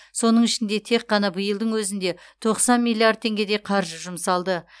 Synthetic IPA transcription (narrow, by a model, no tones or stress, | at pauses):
so̞nəɴɪʃɪnd̪e̞t̪ʰe̞qːɑnɑbəjəlˠd̪əɴwɵzɪnd̪e̞t̪ʰo̞qsɑnmijlʲˠiard̪̚ʰe̞ŋɡʲe̞d̪ejqʰɑɾʒəʒʊmsɑlˠd̪ə